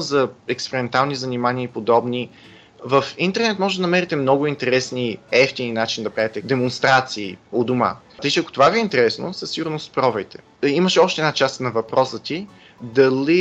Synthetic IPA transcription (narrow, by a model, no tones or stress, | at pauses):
zɐɛkspɛɾɛmɛnt̪alˠnizɐnimaniəipod̪ɔbni | vəfint̪ɛɾnɛt̪mɔʒɛd̪ɐnɐmɛɾit̪ɛmnɔɡʊint̪ɛɾɛsniɛft̪ininat͡ʃind̪ɐpɾavɛt̪ɛd̪ɛmonst̪ɾat̪siːod̪ʊma̰t̪əit͡ʃɛɐko̥t̪ovaviɛint̪ɛɾɛsno̰sɐsiɡʊɾnospɾɔvɛjt̪ɛ̥ | iməʃɛɔʃt̪ɛdnat͡ʃast̪nɐvɐpɾɔsət̪i | d̪ɐli